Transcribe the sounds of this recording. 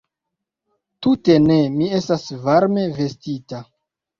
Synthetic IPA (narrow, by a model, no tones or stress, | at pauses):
tute̞ne̞mie̞stasvaɾme̞ve̞stita